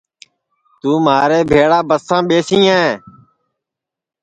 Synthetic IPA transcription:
t̪uːmaːɾeːbʱeːɭaːbəsãːɓeːsĩːãːẽː

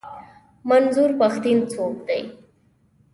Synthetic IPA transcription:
manzuɾpaxt̪int͡sok̚d̪a̰j

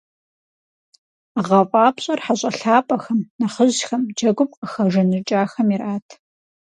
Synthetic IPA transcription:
ʁɐfʼɑːpɕʼɐrħaɕʼɐɬaːpʼɐxɐmnɐχəʑxɐmd͡ʒɐɡʷʊp̚ʼqʼəxɐʐɐnɨt͡ʃʼaːxɐmirʔaːtʰ

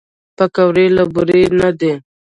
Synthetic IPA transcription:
pakawɾelabʊɾenad̪e

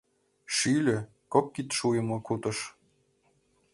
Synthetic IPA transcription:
ʃilʲɘ̆ | kop̚kit̪ʃujɤ̆mɤ̆kut̪ɤ̆ʃ

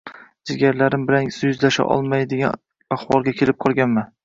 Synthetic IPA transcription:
zɪɡʲaɾlaɾɪmbɪɾaŋsʊjʏzlaʃa̰ʔɒ̰lˠmajd̪eɡʲa̰n | aχwɒlˠɡʲakʲʰe̞lɪp̚qʰɒlˠɡʲanman

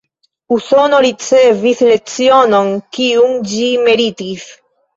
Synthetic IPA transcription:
usonoɾit͡sevislet͡sionoŋkiuŋd͡ʒimeɾit̪is

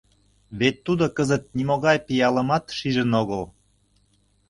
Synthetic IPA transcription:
βet̪ːud̪okəzə̆t̪̚nʲimoɣɑjpijɑlə̆mɑt̪ʃiʒə̆noɣəl

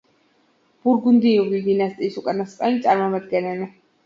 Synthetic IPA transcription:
b̥uɾɡund̪iɔbid̪inast̪ʼiːsukʼanasqʼɛnit̪sʼaɾmɔmad̪ɡɛnɛli

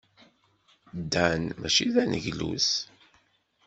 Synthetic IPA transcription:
d̪ænmæʃiðænəʝlṵs

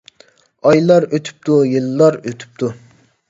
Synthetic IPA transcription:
ɑjlˠɑɾøt̪ʰy̥p̚t̪ʰujilːɑɾøt̪ʰy̥p̚t̪ʰu

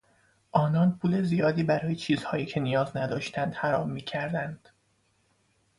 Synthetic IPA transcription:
ʔɒːnɒːnpʰuːle̞zijɒːd̪iːbæɾɒːje̞t͡ʃʰiːz̥hɒːjiːcʰenijɒːznæd̪ɒːʃt̪ʰænd̪hæɾɒːmːiːcʰæɾd̪ænd̪̥

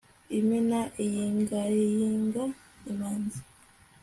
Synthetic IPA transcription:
iminaʔijiːŋɡaejiːŋɡa | imaːnza

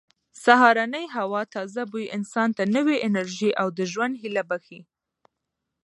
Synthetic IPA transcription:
saɦɑɾanəjɦawɑt̪ɑzabujʔɪnsɑnt̪anəweʔɪnaɾʒiʔawd̪əʒwand̪hilabaxi

